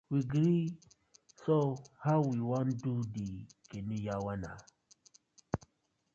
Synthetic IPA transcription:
wiɡɾi | sohawwiwãndudikenijawana̰

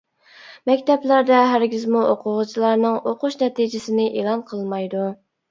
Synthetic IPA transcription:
mɛkʲt̪ʰɛplæɾd̪ɛɦæɾɡʲizmuʔoqʰʊʁʊt͡ʃʰilˠɑɾnɨŋoqʊʃnɛt̪ʰid͡ʒɪsɪnɪʔelˠɑnqʰəlˠmɑjd̪u

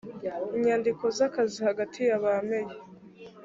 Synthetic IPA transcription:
iɲaːndiko̞zakazihaɡatʰijaβame̞je

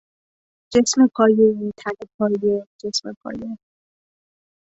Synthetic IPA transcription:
d͡ʒesmepʰɒːjeit̪ʰænepʰɒːjed͡ʒesmepʰɒ̰ːje

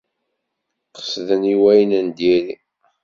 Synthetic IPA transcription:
qə̥sðəniwæjənænd̪iɾi

